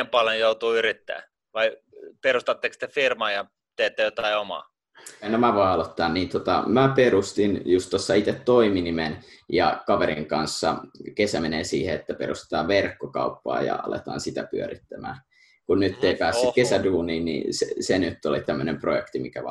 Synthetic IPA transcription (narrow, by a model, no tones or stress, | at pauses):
empɑljonjout̪uːyrit̪ːæ̰ː | ʋɑi | perust̪ɑt̪ːekst̪efirmɑːjɑ | t̪eːt̪ːejot̪ɑiomɑ̰ː | nomæʋoiɑlot̪ːɑːnniːnt̪ot̪ɑ̰mæperust̪injust̪t̪osːɑit̪et̪toiminimenjɑ̰kɑʋeɾiŋkɑnsːɑkesæmeneːsiːheet̪ːæperust̪ĕ̥t̪ɑːʋʋerkːokɑupːɑ̰ːjɑ̰ɑ̰lḛt̪ɑ̰ːnsit̪æpyø̰ɾit̪ːæmæ̰ː | kunnyt̪ːeipæːsːykesæduːniːnnḭsḛsenyt̪ːolit̪æmːønemprojekt̪imikæʋɑ